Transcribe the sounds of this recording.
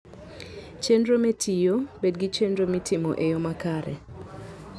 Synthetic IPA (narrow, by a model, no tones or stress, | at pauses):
t͡ʃendɾometʰijobedɡit͡ʃendɾomitʰɪmo̰ʔejomakaɾɛ̰